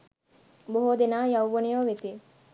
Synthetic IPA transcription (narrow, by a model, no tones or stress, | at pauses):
boɦoːd̪enaːjɐwʋonejoʋet̪i